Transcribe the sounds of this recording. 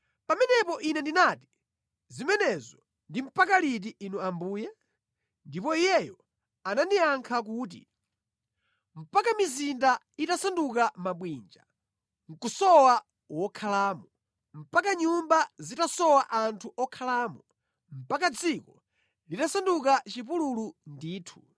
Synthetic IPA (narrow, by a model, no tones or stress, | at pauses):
pamɛnɛpɔʔinɛndinaːti̥ | zimɛnɛzɔ | ndim̩pakalit̬iʔinuambuːjɛ | ndipɔijɛjɔ | anandiaŋkʰak̬uːt̬ḭ | m̩pakamizinda | itasandukamaɓwiːnd͡ʒa | ŋ̩kusɔwa | wɔkʰalaːmɔ | m̩pakaɲumbazitasɔwaʔantʰuʔɔkʰalaːmɔ | m̩pakad͡zikɔ | litasandukat͡ʃipululundiːtʰu̥